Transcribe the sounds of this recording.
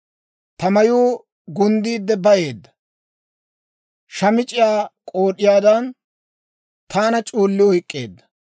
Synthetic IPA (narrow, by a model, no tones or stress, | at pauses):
t̪ɐmɐjuː | ɡʊnd̪iːd̪ːɛbɐje̞ːd̪ːɐ̥ | ʃɐmɪt͡ʃʼːɪjaːkʼoːɗɪjaːd̪ɐn | t̪ʰaːnɐt͡ʃʼuːlːɪwhɪkʼːe̞̰ːd̪ːɐ̥